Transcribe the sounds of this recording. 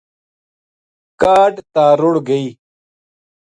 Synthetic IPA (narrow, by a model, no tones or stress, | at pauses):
kaːɖt̪aːɾuɽɡɐiː